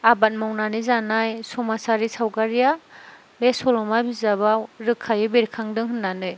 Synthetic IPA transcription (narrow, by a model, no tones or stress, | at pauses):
abat̚mawnanizanajsɔmasaɾisawɡaɾija | besɔlɔmabizaβaɾɯkʰːajɯbeɾikʰaŋdɯŋɦɯnːanɯj